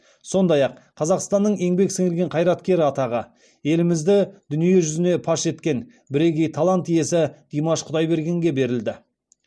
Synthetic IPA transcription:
so̞nd̪ɑjɑq̚qʰːɑzɑqst̪ɑnːəɴe̞ŋbe̞ksɪŋɪlɡʲe̞ɴqʰɑjɾɑt̪kʲe̞ɾɪɑt̪ɑʁə | e̞lɪmɪzd̪ɪd̪̥ʏnije̞ʒʏzɪne̞pʰɑʃe̞t̪kʲe̞n | bɪɾe̞kʲe̞jt̪ʰɑlˠɑnt̪ije̞sɪd̪̥ijmɑʃqʰʊd̪ɑjbe̞ɾɡʲe̞ŋɡʲe̞be̞ɾɪld̪ɪ

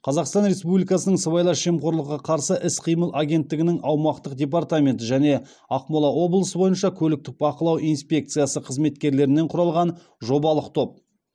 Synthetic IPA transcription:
qʰɑzɑqst̪ɑnɾe̞spublʲijkɑsənəɴsəβɑjlˠɑʃe̞mqʰo̞ɾlˠəqːɑqʰɑɾsəʔɪsqʰijməlˠʔaɡʲe̞nt̪ːɪɡʲɪnɪŋɑwmɑqt̪əqdʲe̞p̬art̪amʲe̞nt̪ɪʒæne̞ | ɑqmolˠɑwo̞blˠəsəbo̞jənʃɑkʲʰɵlɪk̚t̪ɪk̚bɑqəlˠɑwʔijnspʲe̞k̚t̪sɨjasəqʰəzme̞t̪kʲe̞ɾle̞ɾɪnːe̞ɴqʰʊɾɑlˠʁɑn | ʒo̞bɑlˠəqt̪ʰo̞p̚

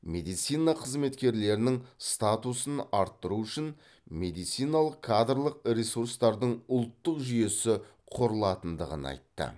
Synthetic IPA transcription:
me̞d̪ijt̪sijnaqʰəzme̞t̪kʲe̞ɾle̞ɾɪnɪŋst̪at̪usənɑɾt̪ːəɾuʏʃɪn | me̞d̪ijt̪sijnalˠəqkʰad̪rlˠəq̚ɾʲesuɾst̪ɑɾd̪əɴʊlˠt̪ːəqʒʏje̞sɪ | qʰo̞ɾəlˠɑt̪ənd̪əʁə̰nɑ̰jt̪ːə̰

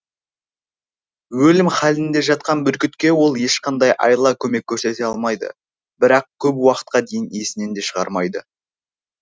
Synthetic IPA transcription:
wɵlɪmχɑlɪnd̪e̞ʒɑt̪̚qɑnbʏɾkʲɪt̪kʲe̞wo̞lˠje̞ʃqɑnd̪ɑjʔɑ̰jlˠɑkʲʰɵme̞kʲʰːɵɾse̞t̪e̞ɑlˠmɑjd̪ə̰ | bɪɾɑq̚kʲʰɵpwɑqə̥t̪̚qɑd̪e̞jɪnijesɪne̞nd̪e̞ʃəʁɑ̰ɾmɑjd̪ə

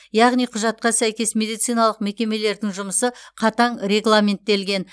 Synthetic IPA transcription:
jɑʁnijqʰʊʒɑt̪̚qɑsæjkʲe̞smʲe̞d̪ijt̪sijnɑlˠəqme̞kʲe̞me̞le̞ɾd̪ɪŋʒʊməsəqʰɑt̪ɑɴɾʲe̞ɡlˠamʲe̞nt̪ːe̞lɡʲe̞n

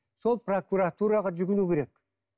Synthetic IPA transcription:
so̞lˠpro̞kuɾat̪uɾɑʁɑʒʏɡʲɪnukʲʰe̞ɾe̞k

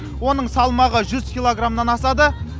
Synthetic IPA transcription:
wo̞nəɴsɑlˠmɑʁəʒʏzkʲilˠo̞ɡramnɑnɑsɑd̪ə

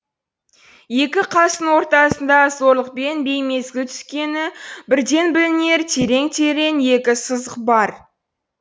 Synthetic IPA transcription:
je̞kʲɪqʰɑsənwo̞ɾt̪ɑsənd̪ɑzo̞ɾlˠəq̚pe̞nbe̞jme̞zɡʲɪt̪ʰʏ̥skʲe̞nɪbɪɾd̪e̞nbɪlɪne̞ɾt̪ʰe̞ɾe̞ŋt̪ʰeɾe̞nje̞kʲɪsəzəqbɑɾ

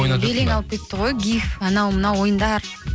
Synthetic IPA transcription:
beleŋɑlˠəp̚kʲe̞t̪ːɪʁojɡʲifɑnɑwmənɑwwo̞jənd̪ɑɾ

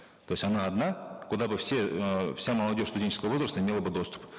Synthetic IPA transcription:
t̪ojsʲɐnaɐd̪nakʊd̪abɨfsʲefsʲaməlˠɐdʲoʂʲsʊdʲenʲt͡ɕɪskəvəvo̞zɾrəst̪əmʲelˠəbɨd̪o̞st̪u̥p

